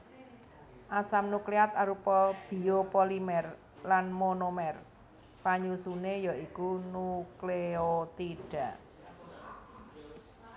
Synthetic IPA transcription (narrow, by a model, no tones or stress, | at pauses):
ʔasamnukleat̪̚aɾupɔb̥i̤opolimɛr | lanmonomɛr | paɲusunejɔʔikunukleot̪iɖ̥a̤ʔ